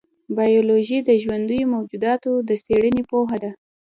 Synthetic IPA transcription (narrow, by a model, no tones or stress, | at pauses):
bɑjoloʒid̪əʒwand̪əjomawd͡ʒud̪ɑt̪od̪əseɽənepoɦad̪a